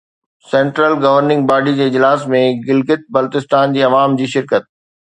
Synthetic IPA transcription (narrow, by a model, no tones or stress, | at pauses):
sɛ̃ːɳʈɾəlɡɐʋəɾnɪ̃ŋɡ̚baːɖid͡ʑeːɪd͡ʑlaːsmẽɡɪlɡɪt̪̚bɐlt̪ɪst̪aːnd͡ʑiːɐʋaːmd͡ʑiːʃɪɾkət̪̚